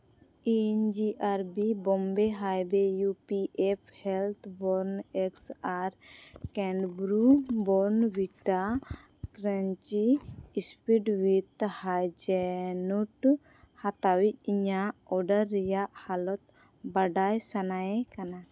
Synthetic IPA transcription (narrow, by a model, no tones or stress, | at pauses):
ɛɲd͡ʒiʔaɾbibɔmbɛɦajbɛjupiʔɛp̚ʰhɛlt̪ʰbɔɾnɛksaɾkɛɳɖbɾubɔɾnbiʈa | kɾaɲt͡ʃiːspiɖwit̪hajd͡ʒɛnuʈ | hat̪awic̚ˀiɲaɔɖaɾːɛjaʔhalɔt̪̚ | baɖajsanajɛkana